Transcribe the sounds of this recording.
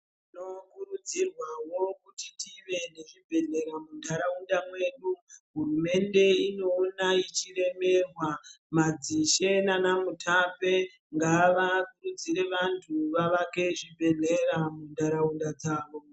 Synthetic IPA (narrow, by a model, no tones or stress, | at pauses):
iino̞kurud͡zirwawo̞kutitʰiʋe̞ne̞ʐibʱe̞ɮe̞ɾamundʱaɾaundamwe̞ːɗuɦurume̞nde̞ino̞ːnait͡ʃire̞me̞rwa | mad͡ziʃe̞nanamutʰape̞ | ŋɡaʋakurud͡ziɾe̞ʋantʰuʋaʋakeʐibʱe̞ne̞ramundʱaɾaundad͡zaːʋo̞